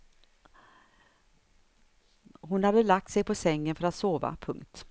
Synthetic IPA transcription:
ɦʊnhad̪əlak̚t̪sɛjpʰɔsɛŋːənfœɾat̪soːva̰pʰɵŋkt̪

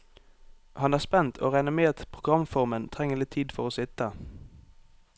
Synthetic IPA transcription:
hɑnæːspɛnt̪ʰo̰ːʁæɪnəmeːt̪pʰʁʊɡʁɑmfɔʁmənt̪ʰʁɛŋəlɪt̪ʰiːd̪fɔʁoːsɪt̪ə

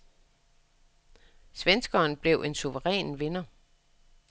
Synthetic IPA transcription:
sʋensɡ̥ɐːnb̥le̝ʊʔe̝nsuʋəʁɛ̰ːnʋenɐ

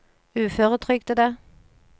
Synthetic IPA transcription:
ʉːføːʁət̪ʰʁʏɡ̚t̪ʰəd̪eː

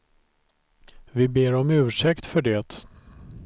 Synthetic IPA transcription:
vɪbeːɾɔmʉ̟ːʂɛkt̪fœɖɛt̪

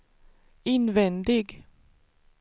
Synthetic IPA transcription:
ɪnvɛnd̪ɪɡ

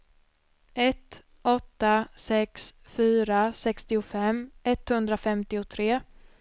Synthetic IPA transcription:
ɛt̪ | ɔt̪ːasɛksfyːɾasɛkst̪ɪʊfɛmɛt̪hɵnd̪ɾafɛmt̪ɪʊt̪ʰɾeː

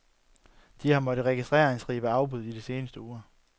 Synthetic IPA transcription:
d̥ihɑ̈mɒ̽d̥əʁɛɡ̥isd̥ʁɛ̰ːɐeŋsʁḭːb̥æɑ̈ʊb̥uð̞̰ˠid̥ise̝ːnəsd̥əoːɐ

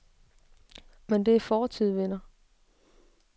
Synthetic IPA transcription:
mend̥e̝æɐfɒːt͡sʰiðˠʋenɐ

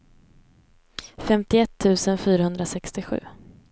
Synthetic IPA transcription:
fɛmt̪ɪɛt̪ʰːʉ̟ːsənfyːɾahɵnd̪ɾasɛkst̪ɪɧʉ̟̰ː

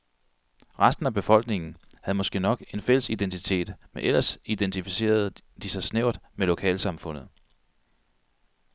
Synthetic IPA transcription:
ʁasd̥n̩æb̥e̝fɒ̽l̰ɡ̥ne̝ŋn̩hæð̞̩ˠmɒ̽sɡ̥e̝̰ːnɒ̽ɡ̥e̝nfel̰əsid̥ent͡sʰit͡sʰe̝̰ːd̥meʔel̰ɐsid̥ent͡sʰifise̝̰ːɐð̞̩ˠd̥isɑ̈ɪsneʊ̰d̥melo̝kʰɛ̰ːlsɑ̈mfɔ̽n̰ð̞̩ˠ

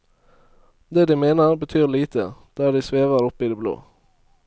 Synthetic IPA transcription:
d̪eːd̪iːmeːnəɾbət̪ʰyːliːt̪ʰə̰d̪̥æːɖ̪iːsʋeːʋəɾʊpiːd̪eːblo̰ː

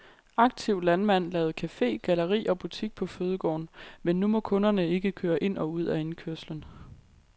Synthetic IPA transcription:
ɑ̈ɡ̥̚t͡sʰiʊ̰lænmæn̰lɛːʊð̩ˠkʰæfe̝̰ːɡ̥æləʁḭːʔɒ̽b̥ut͡sʰiɡ̥̚pʰɒ̽føːð̞ˠəɡ̥ɒ̰ːnmenːumɒ̽kʰɔ̽nɐnəe̝ɡ̥əkʰøːɐʔe̝n̰ʔɒ̽uð̞̰ˠæe̝nkʰyɐslən

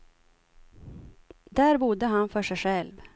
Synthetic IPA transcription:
d̪æɾbʊd̪əɦanfœʂɛjɧɛlv

